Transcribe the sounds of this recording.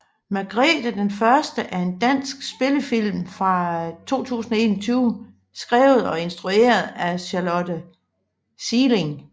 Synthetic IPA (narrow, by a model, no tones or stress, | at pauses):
mæɡ̥ʁɛːd̥æd̥enfɶɐsd̥əʔæɐe̝nd̥æn̰sɡ̥sb̥e̝ləfil̰mfʁɑ̈t͡sʰo̝̰ːt͡sʰṵːsn̩ɒe̝ːnɒt͡sʰyːʊ | sɡ̥ʁɛ̰ːʊð̞̩ˠɒ̽e̝nsd̥ʁue̝̰ːɐð̞̩ˠæɕɑlɔdə | siːle̝ŋ